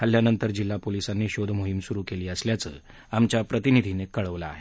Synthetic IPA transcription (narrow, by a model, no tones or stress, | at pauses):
ɦəljanənt̪əɾd͡ʑilːapolisanːiːɕod̪ʱmoɦimsuɾuːkeliːəsljat͡sə̰ː | amt͡ɕjapɾət̪inid̪ʱinekəɭəʋla̰ːɦe